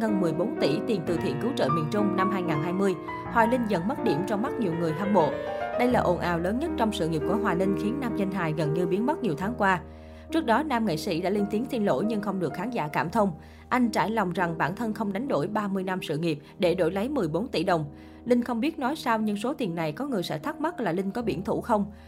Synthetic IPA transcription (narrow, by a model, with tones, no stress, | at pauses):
ɣə˨˩nmɨ˨˩əjɓo˨˦nt̪ḭ˧˩t̪i˨˩nt̪ɨ̰˧˩t̪ʰḭ˧˨nkɨ˨˦wt͡ɕə̰ː˧˨mi˨˩ənt͡ɕʊ˧ŋ͡mna˧mɦaː˧jŋaː˨˩nɦaː˧jmɨ˧əj | hwaː˨˩lï˧ŋ̟zə̰˧˨nmə˦˥t̚ɗḭ˧˩əmt͡ɕɔ˧wŋ͡mma˦˥t̚ɲi˨˩əwŋɨ˨˩əjt̪ʰaː˧mɓo̰˧˨ɗə˧jlaː˨˩ʔo˧˩nʔa̰ː˨˩wləː˨˦nɲə˦˥t̚t͡ɕɔ˧wŋ͡msɨ̰˧˨ŋi˨˩p̚ku˧˩əɦwaː˨˩nï˧ŋ̟xi˨˦ənːaː˧mɲə˧nɦaː˨˩jɣə˨˩nɲɨ˧ɓi˨˦ənmə˦˥t̚ɲi˨˩əwt̪ʰaː˨˦ŋkwaː˧ | t͡ɕɨ˦˥ək̚ɗɔ˨˦naː˧mŋḛ˧˨sḭ˧˥ɗa̰ː˧˥li˧nt̪i˨˦nt̪i˧nlo̰˧˥jɲɨ˧ŋxə˧wŋ͡mɗɨ˨˩ək̚xaː˨˦ŋza̰ː˧˩kaː˧˩mt̪ʰə˧wŋ͡m | ʔa˧jŋ̟t͡ɕa̰ː˧˩jlɔ˨˩wŋ͡mza˨˩ŋɓaː˧˩nt̪ʰə˧nxə˧wŋ͡mɗa˨˦jŋ̟ɗo̰˧˩jɓaː˧mɨ˧əjna˧msɨ̰˧˨ŋi˨˩əp̚ɗe˧˩ɗo̰˧˩jlə˨˦jmɨ˨˩əjɓo˨˦nt̪ḭ˧˩ɗə˨˩wŋ͡m | lï˧ŋ̟xə˧wŋ͡mɓi˦˥ət̚nɔ˨˦jsa˧wɲɨ̰˧˥ŋso˨˦t̪i˨˩ənːa˨˩jkɔ˨˦ŋɨ˨˩əjsɛ̰˧˥t̪ʰa˦˥t̚m˦˥t̚laː˨˩lï˧ŋ̟kɔ˨˦ɓḭ˧˩ənt̪ʰṵ˧˩xə˧wŋ͡m